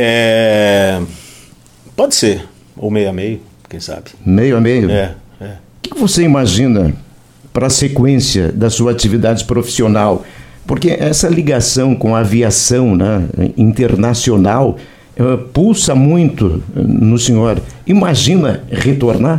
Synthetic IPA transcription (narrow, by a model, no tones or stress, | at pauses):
ɛ | pɔd͡ʒɪseɾ | o̰mejamejʊ | kẽj̃sa̰bɪmejʊamejʊɛɛʊkɪ̥kɪvoseimaʒĩnɐ | pɾɐsekwẽsiɐ̰d̪ɐsuɐat͡ʃivid̪ad͡ʒɪpɾofi̥sionawpoɾkeʔɛsɐliɡasɐ̃w̃kõɐaviasɐ̃w̃nɛḭ̃nt̪eɾnasionaw | ɛpulsɐmũj̃t̪ʊ̰nʊsẽɲoɾimaʒĩnɐʁet̪oɾna